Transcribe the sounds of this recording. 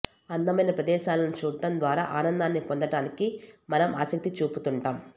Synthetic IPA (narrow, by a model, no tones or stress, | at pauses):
ɐnd̪ɐmɐjnɐpɾɐd̪ɛːʃaːlɐnut͡ʃuːʈɐnd̪ʋaːɾa̰ːʔaːnɐnd̪aːnːipond̪ɐʈaːnikimɐnɐmʔa̰ːsɐk̚t̪it͡ʃuːput̪uɳʈaːm